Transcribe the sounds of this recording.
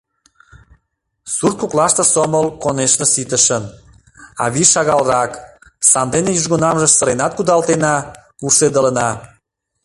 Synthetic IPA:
sur̚kuklɑʃt̪ə̆soməlkoneʃnəsit̪əʃən | ɑ̰βiʃɑɣɑlrɑksɑnd̪enejyʒɣonɑmʒə̆səɾenɑt̪̚kud̪ɑlˠt̪enɑ | uʃed̪ələ̆nɑ

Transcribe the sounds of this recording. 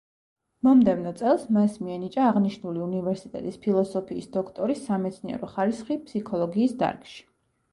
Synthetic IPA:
mɔmd̪ɛvnɔt̪sʼɛlˠsmɛsmiɛnit͡ʃʼaːʁniʃnuliunivɛɾsit̪ʼɛ̰t̪ʼispʰilˠɔsɔpʰiːsd̪ɔkʰt̪ʼɔɾisːamɛt̪sʰniɛ̰ɾɔχaɾisχipʰsikʰɔlˠɔɡiːsd̪a̰ɾkʼʃi̥

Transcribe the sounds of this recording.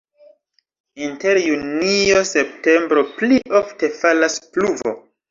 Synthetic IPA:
inte̞ɾjunio̞se̞pte̞mbɾo̞pliʔofte̞falaspluvo̰

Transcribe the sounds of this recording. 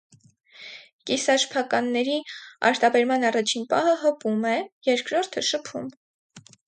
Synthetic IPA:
kisɑʃpʰɑkɑnːɛɾiɑ̰ɾt̪ɑbɛɾmɑnɑrɑt͡ʃʰinpɑhəɦəpumɛjɛɾkɾɔɾt̪ʰəʃəpʰṵm

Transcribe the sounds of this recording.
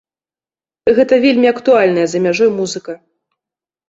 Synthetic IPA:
ɣɛt̪ɐvʲelʲmʲiɐkt̪ualʲnɐjɐzɐmʲaʐɔjmuzɨkɐ

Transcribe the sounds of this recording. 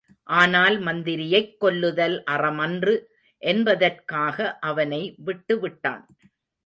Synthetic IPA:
ʔaːnaːlmɐnd̪ɪɾɪjɐɪkːɔlːɯðɐlʔɐrɐmɐndrɯ | ʔɛnbɐðɐrkaːɣɐʔɐʋɐnɐɪʋɪʈːɯʋɪʈːa̰ːn

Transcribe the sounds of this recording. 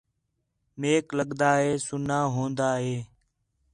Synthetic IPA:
meːkləɠd̪aːɦeːsʊnaːɦõːnd̪aːɦeː

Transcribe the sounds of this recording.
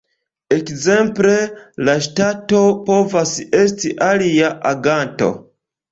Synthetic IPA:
ekze̞mple̞laʃtato̞po̞vase̞s̬tiʔaliaʔaɡanto̞̰

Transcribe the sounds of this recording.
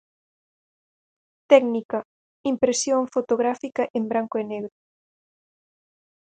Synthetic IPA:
t̪ɛknikɐ | impɾesjoɱfot̪oɣɾafikaʔembɾaŋkoeneɣɾo

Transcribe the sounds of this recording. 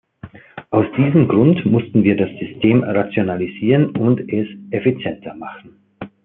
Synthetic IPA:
ʔaʊsd̥iːzəmɡʁʊntmʊstn̩viːɐdasz̥ʏstʰeːmʁat͡sjonaliziːʁənʊntɛsʔefit͡sjɛntʰɐmaχn̩

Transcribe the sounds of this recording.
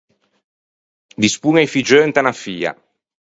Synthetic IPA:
d̪ispuŋajfid͡ʒønt̪anafiːa̰

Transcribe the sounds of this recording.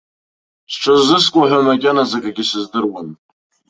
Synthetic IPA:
sʈ͡ʂʷʰazːɨskʷʼaħʷamakʲʼanazakʼaɡʲisɨzdɨrwan

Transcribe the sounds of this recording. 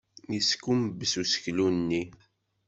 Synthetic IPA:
jiskuməbːəsusə̥çlunnːi

